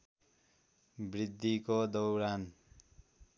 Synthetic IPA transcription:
brid̪ʱːikod̪ʌwɾan

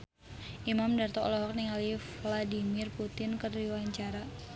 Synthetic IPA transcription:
ʔimamdart̪ɔlɔɦɔk̚niŋalifladimɪrput̪ɪnkərdiwaɲt͡ʃaɾa

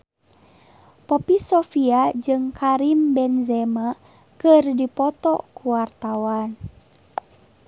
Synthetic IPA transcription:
pɔpisɔfiad͡ʒɨŋkʰaɾimbɛnzɛma | kɨrdipɔt̪ɔ̰kuwart̪awan

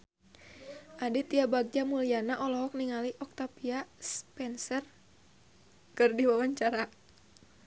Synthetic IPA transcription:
ʔadit̪iabaɡ̚d͡ʒamulianaʔɔlɔɦɔk̚niŋaliʔɔk̚t̪apiaspɛnsər | kɨrdiwawaɲt͡ʃaɾa

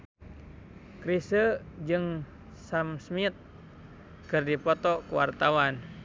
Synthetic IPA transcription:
kɾisəd͡ʒɨŋ | samsmit̪̚ | kɨrdipɔt̪ɔkuwa̰rt̪awan

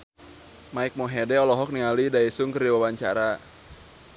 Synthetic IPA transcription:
maik̚mɔɦɛdɛɔlɔɦɔk̚niŋalidaisʊŋkəriwawaɲt͡ʃa̰ɾa

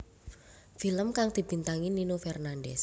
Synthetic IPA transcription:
filəmkaŋd̪̥i̤b̥i̤nt̪aŋininofɛrnandɛs

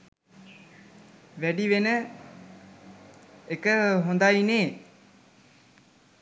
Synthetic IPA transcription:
ʋæɖiʋenə | ekəɦond̪ajneː

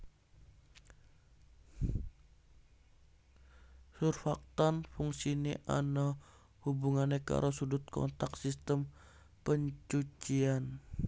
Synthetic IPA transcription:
surfak̚t̪anfuŋsiniʔa̰na | hubuŋanːeka̰ɾʔosudut̪̚kɔ̰nt̪aksist̪əm | pəɲt͡ʃut͡ʃian

